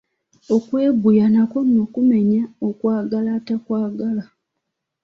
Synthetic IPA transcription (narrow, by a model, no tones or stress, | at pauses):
okwe̞ːbujanakonokume̞ɲaokwaːɡalatakwaːɡala